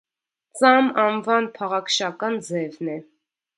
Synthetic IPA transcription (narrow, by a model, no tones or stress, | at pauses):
t͡sɑmɑnvɑnpʰɑʁɑkʰʃɑkɑnd͡zɛvnɛ